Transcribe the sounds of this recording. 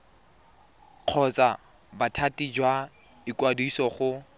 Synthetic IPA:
q͡χʰɔt͡sʼa | batʰatʼid͡ʒwa | ikwadisɔχʊ

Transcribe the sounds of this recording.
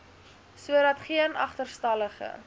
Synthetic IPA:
suəɾɐtχiənɐ̰χtərstɐləχə̰

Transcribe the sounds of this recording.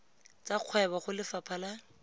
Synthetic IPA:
t͡sʼaq͡χʰwɛbaχʊlɪfapʰala

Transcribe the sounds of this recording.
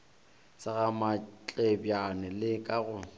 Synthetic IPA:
saɣamat͡ɬʼebjanɪlɪkʼaɣʊ

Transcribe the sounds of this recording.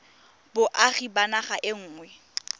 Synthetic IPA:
bʊʔaχibanaχaʔɪŋ̩ːŋwɛ

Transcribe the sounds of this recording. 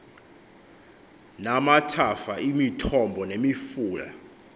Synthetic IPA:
namatʰafaimitʰɔmbʱɔnemifuːla̰

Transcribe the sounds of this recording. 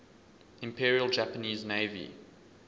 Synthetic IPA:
ɪ̃mpʰiːɹiəlˠd͡ʒæpəniːzneɪvḭ

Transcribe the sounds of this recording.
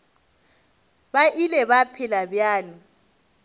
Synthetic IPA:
baʔilɛβapʰɪlabjaːli

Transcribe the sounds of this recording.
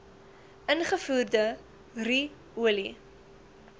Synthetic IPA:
ʔənχəfuːrdə | ri | uəli

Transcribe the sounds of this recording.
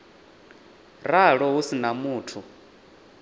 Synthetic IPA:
raɺɔɦusinamuːtʰu

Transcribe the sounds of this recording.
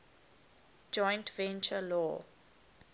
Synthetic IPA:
d͡ʒɔ̃j̃ntvɛ̃nt͡ʃəlɔ

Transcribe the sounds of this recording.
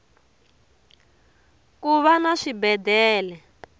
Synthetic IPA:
kuβanaʂibɛdɛːlɛ

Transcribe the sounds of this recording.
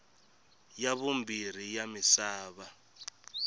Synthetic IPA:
jaβumbir̤ijamisaːβa

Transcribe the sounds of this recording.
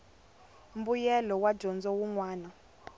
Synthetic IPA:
mbujɛlɔwad̥ʒ̥ɔnd͡zɔwuŋwaːna

